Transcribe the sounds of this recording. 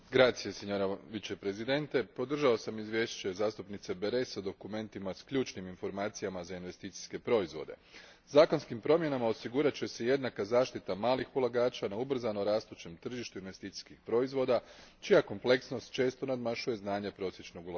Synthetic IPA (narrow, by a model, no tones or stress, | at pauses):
ɡɾaːt̪sije̞seɲoɾaʋit͡ɕe̞pɾe̞zid̪e̞nt̪e̞po̞d̪r̩ʒaosamizʋje̞ːʃt͡ɕe̞zaːst̪upnit̪se̞beɾe̞sad̪o̞kume̞nt̪imaskʎuːt͡ʃniminfo̞ɾmaːt̪sijamazainʋe̞st̪iːt̪si̥ske̞pɾo̞izʋo̞̰d̪e̞̰ | zaːko̞nskimpɾo̞mje̞namao̞siɡuɾat͡ɕe̞seje̞d̪nakazaːʃt̪it̪amaːlixulˠaɡaːt͡ʃanaubr̩zanoɾaːst̪ut͡ʃe̞mt̪r̩ʒiʃt̪uinʋe̞st̪it̪i̥skixpɾo̞izʋo̞d̪at͡ʃijako̞mple̞ksno̞st̪̚t͡ʃe̞ːst̪o̞nad̪maʃuje̞znaːɲapɾo̞sje̞t͡ʃno̞ɡula